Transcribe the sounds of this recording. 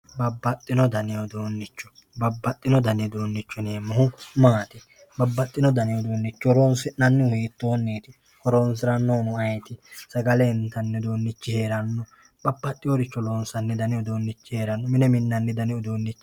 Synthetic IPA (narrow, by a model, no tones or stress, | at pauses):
bɐbːɐt̪ʼːɪnɔd̪ɐnɛjɔd̪o̞ːnːɪt͡ʃːɔ̥ | bɐbːɐt̪ʼːɪnɔd̪ɐnɛd̪o̞ːnːɪt͡ʃːʊneːmːɐhʊmaːt̪ɪ | bɐbːɐt̪ʼːɪnɔd̪ɐnɛjɔd̪oːnːɪt͡ʃːɔɾoːnsɪnɐnːɪʊhiːt̪ːoːnːeːt̪ɪ | hɔɾoːns̬ɪɾɐnːoːnʊɐjt̪ɪsɐɡɐlɛnt̪ɐnːɛd̪o̞ːnːɪt͡ʃːɪhe̞ːɾɐnːɔ | b̥ɐbːɐt̪ʼːɪjoɾɪt͡ʃːɔlo̞ːnsɐnːɛd̪ɐnɪjɔd̪o̞ːnːɪt͡ʃːɪhe̞ːɾɐnːɔmɪnɛmɪnːɐnːɛd̪ɐnɪɔd̪oːnːɪt͡ʃː